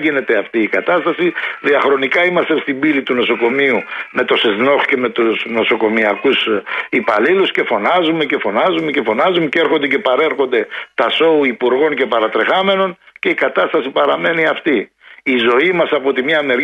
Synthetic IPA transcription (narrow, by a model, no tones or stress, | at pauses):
ʝine̞t̪e̞ɐft̪iːkɐt̪ɐst̪ɐsiðiɐxɾo̞nikɐimɐst̪est̪ibilit̪uno̞so̞ko̞miume̞t̪o̞sezno̞sce̞me̞t̪usno̞so̞ko̞miɐkusipɐlilusce̞fo̞nɐzume̞ce̞fo̞nɐzume̞ce̞fo̞nɐzumeceɾxo̞nd̪e̞ce̞pɐɾe̞ɾxo̞nd̪e̞t̪ɐso̞uipuɾɣo̞nce̞pɐɾɐt̪ɾe̞xɐme̞no̞nce̞ikɐt̪ɐst̪ɐsipɐɾɐme̞niɐft̪i | izo̞imɐsɐpo̞t̪imɲɐːneɾ